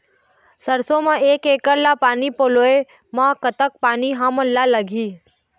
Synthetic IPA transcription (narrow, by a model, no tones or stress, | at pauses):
səɾsõmãʔeːkekəɾlapaːnipoːloe | mãkət̪ək̚paːniɦãmənlaləɡʱiː